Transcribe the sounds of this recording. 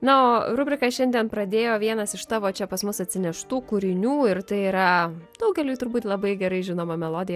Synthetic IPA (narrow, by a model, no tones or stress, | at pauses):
nɐoːɾʊbʲɾʲɪkɐʃʲɛnʲd̪ʲɛnpɾɐd̪ʲeːjoːʋʲiɛnɐsɪʃt̪ɑːʋoːt͡ʃʲɛpɐsmʊsɐtʲsʲɪnʲɛʃt̪uːkʊɾʲɪnʲuːɪɾt̪ɐɪiɾɐd̪̥ɐʊɡʲɛlʲuːt̪ʊɾbuːt̪lˠɐbɐɪɡʲɛɾɐɪʒʲɪnoːmɐmʲɛlˠoːd̪ʲɪjɛ